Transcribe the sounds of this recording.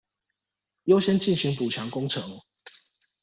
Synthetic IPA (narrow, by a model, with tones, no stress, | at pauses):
jo˦ʊɕɛ˦nt͡ɕi˥˨nɕi˨˦ŋpu˨˩t͡ɕʰja˨˦ŋko˦ŋt͡sʰɤ˨˦ŋ